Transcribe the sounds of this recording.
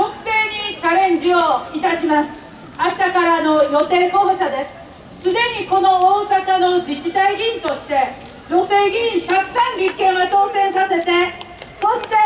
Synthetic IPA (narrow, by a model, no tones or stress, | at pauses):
okɯ̟̥se̞ːɲit͡ɕaɾẽ̞ɲd͡ʑioit̪aɕimasɨ̥ | aɕi̥t̪akaɾaːno̞jo̞t̪e̞ːko̞ːɡoɕad̪e̞sɨ̥ | sɨd̪e̞ɲiko̞no̞oːsakano̞d͡ʑit͡ɕit̪aiɡʲĩnt̪o̞ɕi̥t̪e̞ | d͡ʑo̞se̞ːɡʲĩɲt̪akɯ̟̥sãmɾʲikːẽ̞ɰ̃βat̪o̞ːsẽ̞ɰ̃sase̞t̪e̞ | so̞ɕi̥t̪e̞